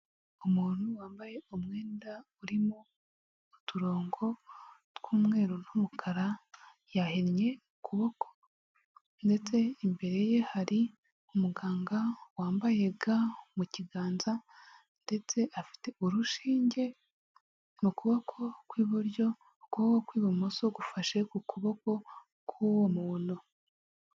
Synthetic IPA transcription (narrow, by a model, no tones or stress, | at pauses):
omuːn̥huwaːmbaje̞omŋe̞ːndauɾimoː | tuɾo̞ːŋɡo̞tkuːmŋe̞ːɾonumukʰaɾa | jahenɲe̞ | kuβoko̥ | nde̞t͡se̞imbe̞ɾe̞je̞haɾi | omuɡaːŋɡawaːmbaje̞ɡamuciɡaːnza | nde̞t͡se̞ʔafi̥te̞uɾuʃiːɲɟe̞ | mukuβokʰo̞kwiːβuɾɟo̞ | kokokwiːβomosoɡufaʃe̞kukuβo̞ko̞ | kʰwuwomuno